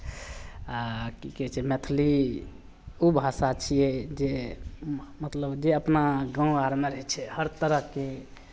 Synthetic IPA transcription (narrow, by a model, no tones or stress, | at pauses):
akikɛt͡ʃʰɛmɛt̪ʰli | ubʱasat͡ʃʰijɛd͡ʒe | mət̪ləbd͡ʒeəpnaɡãaɾmeɾəɦɛt͡ʃʰɛhəɾt̪əɾəke